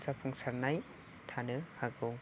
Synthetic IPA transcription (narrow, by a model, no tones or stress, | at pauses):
sapʰuŋsaɾnaj | tʰanɯhaɡoŋ